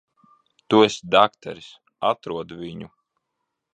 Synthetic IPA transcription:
t̪uesʲd̪akt̪ʰa̰ɾis | at̪ɾuɔd̪vʲiɲu

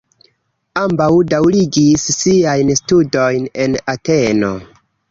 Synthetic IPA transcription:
ambawdawliɡisːiajnstudo̞jne̞nate̞no̞̰

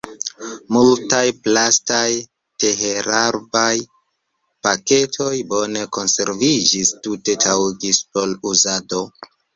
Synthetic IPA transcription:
multajplastaj | te̞ɦe̞ɾaɾbaj | pake̞tʰo̞jbo̞ne̞ko̞nse̞ɾvid͡ʒistute̞tʰawiɡispo̞luzado̞

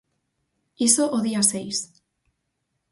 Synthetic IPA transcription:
isoʔoðiasejs

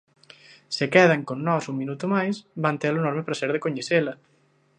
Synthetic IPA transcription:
sekɛðaŋkonːɔsuŋminut̪omajsβant̪elonɔɾmepɾaseɾðekoɲeselɐ

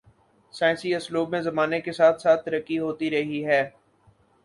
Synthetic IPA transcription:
sãːɪ̃nsiɐsluːbmẽzɐmaːnekesaːt̪ʰsaːt̪ʰːɐɾəkːiɦoːt̪iɾɐɦiɦɛː

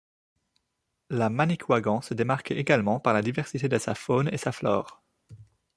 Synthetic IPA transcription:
lamanikʰwaɡɑ̃səd̪emaʁkeeɡalmɑ̃paʁlad̪ivɛʁsit̪ed̪əsafonḛsaflɔ̰ːʁ

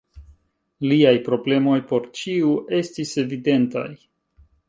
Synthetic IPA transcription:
liajpɾo̞ble̞mo̞jpo̞ɾt͡ʃiuʔe̞st̪ise̞vid̪e̞nt̪a̰j

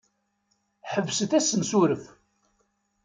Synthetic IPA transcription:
ħəvːsəθæsːənsuɾəf

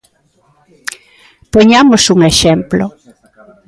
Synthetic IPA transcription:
poɲamosuŋeʃemplo̰

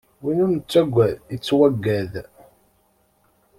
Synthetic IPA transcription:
winunt͡sːæɡʷːæðət͡sːwæɡːæð

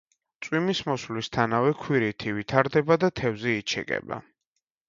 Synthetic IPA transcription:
t̪sʼwimismɔslist̪ʰanavɛkʰwiɾit̪ʰivit̪ʰaɾd̪ɛbad̪at̪ʰɛvzɛit͡ʃʰɛ̰kʼɛ̰ba̰

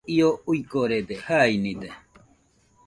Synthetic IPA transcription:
iouikoɾed̪ehainid̪e

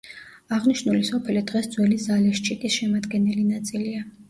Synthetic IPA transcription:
aʁniʃnulisɔpʰɛlid̪̥ʁɛsd̪zwɛlizalɛʃt͡ʃʰʼik̪ʼisʃɛmad̪ɡɛnɛlinat̪sʼilia

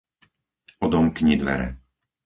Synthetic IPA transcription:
ɔd̪ɔmkɲid̪ʋɛ̰ɾɛ̰

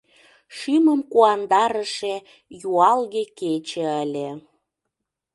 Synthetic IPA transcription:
ʃyməmkuɑnd̪ɑɾə̆ʃe | juɑlɣeket͡ɕĕəlʲe

